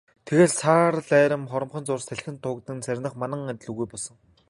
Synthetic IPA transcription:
t̪ʰeɣeːɮsʰaːrɮæːɾə̆mχɔɾɞ̆mχɞ̆nt͡sʊrsæɮ̆xʲɘ̆nt̪ʰʊːkt̪ɘ̆nsæɾʲnə̆χmanə̆ŋat̪ʲɮŭɣujpɔɮsɞ̆ŋ

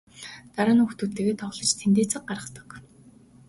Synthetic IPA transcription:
t̪aɾaːnuxt̪ut̪ːĕːɣeːt̪ʰɔʁɮɞ̆t͡ɕt̪ʰent̪eːt͡sə̆q̚ɢaɾə̆t̪ə̥̆k

